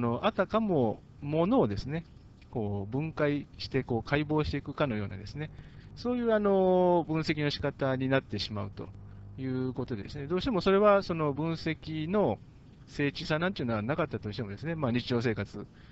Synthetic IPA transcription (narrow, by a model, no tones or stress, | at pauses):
no̞ʔat̪akamo̞ | mo̞no̞ːd̪e̞sɨne̞ | ko̞ːbɯ̟̃ŋkaiɕi̥t̪e̞ko̞ːkʰaibo̞ːɕi̥t̪e̞ikɯ̟kano̞jo̞ːna̰d̪e̞sɨne̞so̞ːjɯ̟ːano̞bɯ̃ɰ̃se̞kʲino̞ɕi̥kat̪aɲ̟inat̪ːe̞ɕimaɯ̟t̪o̞̰jɯ̟ːko̞t̪o̞d̪e̞d̪e̞sɨne̞d̪o̞ːɕi̥t̪emo̞so̞ɾe̞βaso̞no̞bɯ̟̃ɰ̃se̞kʲino̞ | se̞ːt͡ɕisanãnt̪ojɯ̟noanakat̪ːat̪o̞ɕi̥t̪e̞mo̞d̪e̞sɨne̞maːɲ̟it͡ɕiʑo̞ːs̬e̞ːkat͡sɨ